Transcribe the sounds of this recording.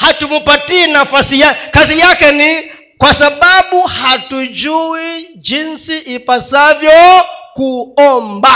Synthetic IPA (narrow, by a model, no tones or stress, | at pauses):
hatumupatiinafasijakazijakɛni | kwasaɓaɓuhatud͡ʒui | d͡ʒinsiʔipasavjɔkuɔmba